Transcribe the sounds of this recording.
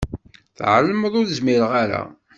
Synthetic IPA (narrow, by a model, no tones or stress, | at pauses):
θʕlːəmðˤʊɾəzmiɾəʁaɾa̰